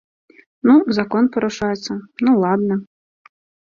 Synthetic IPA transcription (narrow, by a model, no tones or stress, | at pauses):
nuzakɔnpɐɾʊʂajɛt̪sːənulˠad̪nɐ